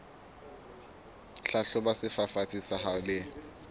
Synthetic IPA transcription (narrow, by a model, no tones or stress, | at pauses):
ɬaɬʊbasɪfafat͡sʰʼisahalɪ